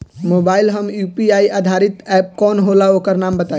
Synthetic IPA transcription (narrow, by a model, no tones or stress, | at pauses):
moːbaːilɦəmjuːpiaiʔaːd̪ʱaɾit̪ɛːp̚kɔːnɦolaokəɾnaːmbət̪a